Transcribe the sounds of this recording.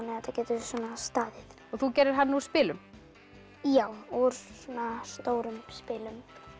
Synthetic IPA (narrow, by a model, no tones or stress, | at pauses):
nːɛɛt̪acɛːt̪ʏsɔnast̪aːðɪθ | ɔɣθucɛːɾɪɾ̥ɦanːɪuɾ̥spɪːlʏm | jaːwuɾ̥sunast̪oːwɾʏmspɪːlʏm